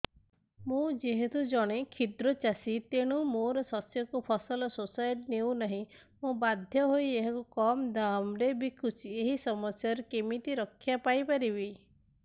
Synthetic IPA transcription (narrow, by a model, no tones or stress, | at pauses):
mũd͡ʒeɦet̪ud͡ʒɔɽ̃ekʰid̪ɾɔt͡ʃasit̪eɽ̃umoɾɔsɔsjɔkupʰɔsɔlɔsosajʈnewnaɦĩ | mũbad̪ʱjɔɦojeɦakukɔmd̪amɾebikʰut͡ʃʰieɦisɔmɔsjaɾɔkemit̪iɾɔkʰːjapajpaɾibi